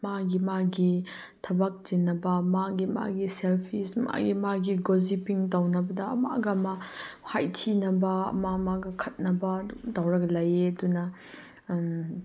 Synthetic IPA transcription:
maɡimaɡi | tʰɐbɐk̚zinːɐbɐmaɡima̰ɡiselpʰisma̰ɡimaɡiɡozipiŋtɐwnɐbɐdɐ̰ːma̰ɡɐmɐhajtʰinɐbɐɐ̰mamaɡɐkʰɐt̚nɐbɐdudɐwɾɐklɐjedunɐ

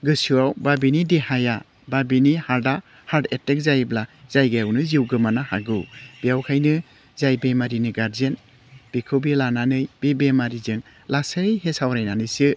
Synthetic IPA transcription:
ɡɯsuawbabinideɦaja | babinihaɾda | haɾdetek̚zajblazajɡajawnɯziwɡɯmanahaɡɯwb̥ijawkʰajnɯ | zajbemaɾinɯɡaɾzen | b̥ikʰɯbilananɯjb̥ebemaɾizɯŋ | lasɯjɦesawɾajnanɯjsɯ

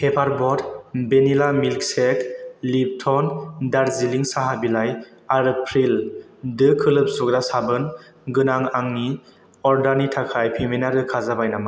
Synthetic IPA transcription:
kʰepʰaɾbɔdbenilamilkseklib̚tʰɔndaɾziliŋsaɦabilaj | aɾpʰɾil | dɯkʰɯlɯp̚suɡɾasabɯn | ɡɯnaŋaŋni | ɔɾdanitʰakʰajpʰeminaɾɯkʰazabajnama

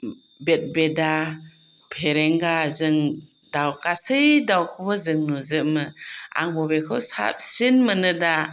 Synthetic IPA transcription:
bet̚beda | pʰeɾeŋɡazɯŋ | dawkasɯjdawkʰɔbazɯŋnuzɯʔmɯa̰ŋbɔbekʰɯwsa̰p̚sinmɯnɯda

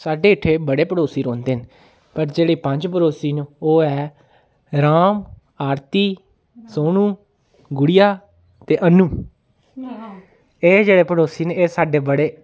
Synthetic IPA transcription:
saːɖeːɪʈʰːeːbəɽeːpəɽoːsiːɾoːnd̪eːn | pəɾd͡ʒeːɽiːpəɲd͡ʒpəɾoːsiːnːoːɛː | ɾaːm | aːɾt̪iː | soːñũː | ɡʊɽɪjaː | t̪eːʔənːuː | eːd͡ʒeːɽeːpəɽoːsiːneeːsaːɖeːbəɽeː

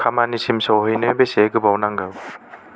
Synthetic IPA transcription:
kʰamanisimsɔwɦɯjnɯbeseɡɯbawnaŋɡɯw

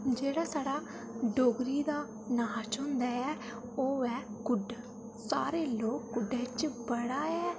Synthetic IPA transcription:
d͡ʒeːɽaːsaːɽaː | ɖoːɡɾiːd̪aː | naːt͡ʃʊnd̪aːɛː | oːɛːkʊɖ | saːɾeːloːkːʊɖeːt͡ʃbəɽaːɛː

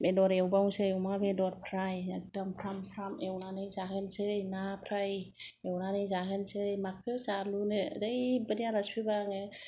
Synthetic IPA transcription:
bedɔɾewbawŋsɯjwmabedɔɾpʰɾajak̚dampʰɾampʰɾamewnanɯjzakʰɯnsɯjnapʰɾajewnanɯjzakʰɯnsɯjmakʰɯzalunɯdɯjbədijaɾaspʰibaŋɯ

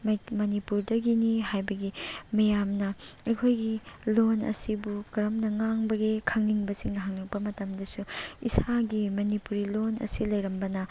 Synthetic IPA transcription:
mɐnipuɾdɐɡiniɦajbɐɡimɐjamnɐɐjkʰojɡilonɐ̰sibukɐɾɐmnɐŋaŋbɐɡekʰɐŋniŋbɐsiŋnɐɦaŋnɐk̚pɐmɐtɐmdɐsuisaɡimɐnipuɾilonɐ̰silɐjɾɐmbɐnɐ

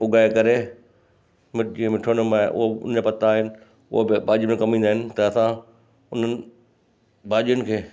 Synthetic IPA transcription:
ʊɡaːekɐɾe | mɪd͡ʑĩːə̃mɪʈʰʊɽ̃ʊmãʔʊ̰ɦoʊ̰n̤əd͡ʑapɐt̪aːɦɪnɪ | ʊ̰ɦobɪbaːd͡ʑmẽkɐmĩːnd̪aɦɪnɪ̆t̪ɐɐsã | ʊn̤ənɪ̆ | bʱaːʄijʊnɪ̆kʰeː

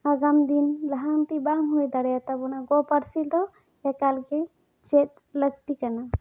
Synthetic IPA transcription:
aɡamd̪inləɦant̪ibaŋɦojd̪aɽjat̪abunaɡɔpəɽsild̪ɔ | jakalke | t͡ʃet̪̚ | ləɡ̚t̪ikana

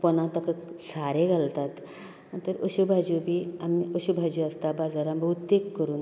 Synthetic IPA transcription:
pɔnãt̪əkəsaɾẽɡʱalt̪at̪ | t̪əɾəɕubʱad͡ʑubʱiːamiəɕubʱad͡ʑuəst̪abad͡zaɾambʱəɦut̪ːekːəɾuːn

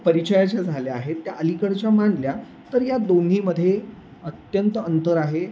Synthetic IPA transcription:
pəɾit͡ɕəjat͡ɕad͡zʱaleaɦet̪ːjaʔəlikəɽt͡ɕjamaɳlja | t̪əɾjad̪on̤iːməd̪ʱːje | ət̪jənt̪əənt̪əɾaɦe

